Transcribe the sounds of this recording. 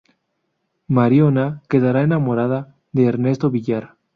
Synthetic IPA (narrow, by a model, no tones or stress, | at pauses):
maɾjonake̞ðaɾaenamo̞ɾaða | ðe̞ːɾne̞st̪o̞βiʎaɾ